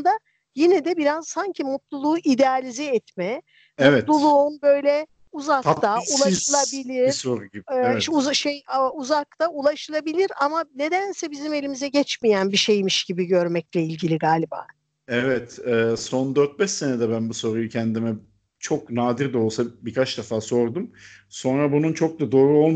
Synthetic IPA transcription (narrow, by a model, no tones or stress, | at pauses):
d̪a | jinɛd̪ɛbiɾazsaɲcʰimut̪lˠulˠuːʔid̪ealʲizɛɛt̪mɛ | vɛt̪lˠuulˠunbø̞jlʲɛ | uzak̪t̪aulˠaʃɯlˠabilʲiɾ̥soɾuibuʃejauzak̚t̪ʰaulˠaʃɯlˠabilʲiɾamane̞d̪ænsɛbizime̞lʲimizɛɟɛt͡ʃmijænbiʃejmiʃɟ̥ibiɟø̞ɾmɛclʲɛilʲɟilʲiɡaːlʲiba̰ː | ɛvɛt̪ɛːsond̪øɾt̪̚bɛʃsenɛd̪ɛbænbuso̞ɾujucʰɛnd̪imɛ | t͡ʃʰoknaːd̪iɾd̪ɛolˠsabikʰat͡ʃd̪afaːso̞ɾd̪umso̞nɾabununt͡ʃʰok̚d̪ad̪o̞ːɾuo̞lˠm